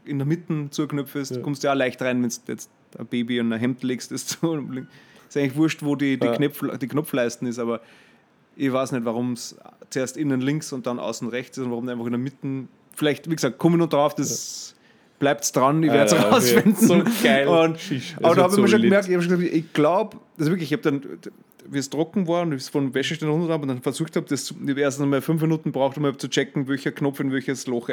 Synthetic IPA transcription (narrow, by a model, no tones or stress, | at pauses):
ɪndəmɪtn̩t͡suəknœfɪstkʰʊ̃mstjaːlæɪçtʁaɪnvɛnsjɛ̰t͡st | ɐ̰b̥eːbiʊ̃ndɐɦɛmtleːkstɪst͡sulɪŋɪsæɪŋlɪçvʊɐʃtvoːdidiknɛd̥iːkʰnɔpflaɪstn̩ɪsɑːβɐ | ɪʋaːsnɛtvaʁʊmst͡sueːɐstɪnənlɪŋksʊnt̚d̥ɑnʔa̰ʊsn̩ʁɛçt͡sɪsʊntvaʁʊmdæɪnfɑχɪndɐmɪtn̩ | fɪlæɪçtv̥iːɡsɑːk̚t̚kʰɔmənʊnd̥ʁaʊfd̥ɛs | b̥læɪptsd̥ʁanɪeɐsʁaʊsvɛndn̩ɡ̥ɪʊntʔaːbɐdahɑːbɪɪmɐʃoɡəmɛɐktɪçhɑbʃoɡsɑkɪçɡ̥laʊpasvɪɐk̬lɪçɪçhaːb̚d̥an | viːstʁɔkŋ̩vaːɐʊndɪsfɔnvɛʃəʃtenʁʊntədʁabʊntanfɛɐsuːxthab̚d̥ɛst͡sueɐstn̩smalfʏnfminuːtn̩bʁaʊxtʊmabt͡sut͡ʃɛkŋ̩vɛlçɐkʰnɔpfɪnvɛlçəslɔx